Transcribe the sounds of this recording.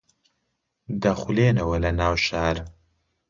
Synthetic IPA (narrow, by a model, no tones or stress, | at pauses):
d̪ɐχuleːnɐwɐlɐnaːwʃaːɾ